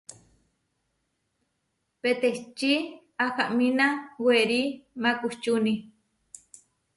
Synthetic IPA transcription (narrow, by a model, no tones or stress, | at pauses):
pet̪eht͡ʃi | akaʔmĩnaweɾimãkuht͡ʃuni